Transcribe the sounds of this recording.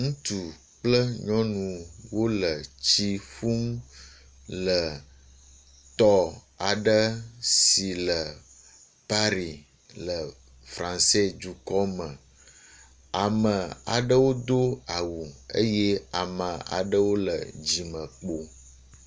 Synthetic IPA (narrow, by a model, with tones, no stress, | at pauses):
ŋũ˦t̪u˨ | k͡plə˦ɲɔ̃˦nũ˨wo˦lə˨t͡ɕi˦fu˦m | lə˨ | t̪ɔ˦ | a˨ɖə˦si˨lə˨ | pa˦ɾi˨ | lə˨ | fɾã˨nse˦d͡ʒu˨kɔ˦mə̃˨ | a˨mə̃˨a̰˨ɖə˦wo˦d̪o˦a˨wu˨ə̰˦je˦a˨mə̃˨a̰˨ɖə˦wo˦lə̰˨d͡ʑi˨mə̃˨k͡po˦